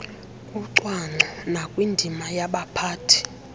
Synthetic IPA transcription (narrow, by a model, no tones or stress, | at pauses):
uǀwaŋ͡ǀʱɔnakʼwindʱimajaɓapʰaːtʰi̥